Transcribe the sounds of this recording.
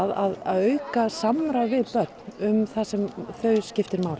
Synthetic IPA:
ðaðaðœɥkasamɾavɪðpœt̪nʏmθasɛmθœːɥscɪft̪ɪɾmaːwl

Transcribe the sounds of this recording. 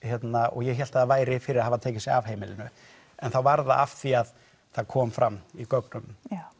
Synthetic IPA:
çjɛt̪naʔɔ̰ɣjɛçɛl̥t̪aðavaːjɾɪfɪɾɪɾahavat̪ʰeːcɪnsɪav̥ɦeːjmɪlɪnʏ | ɛnθawvaɾða̰ʔaft̪θiað | θaðkʰɔːmfɾamːikœknʏnm

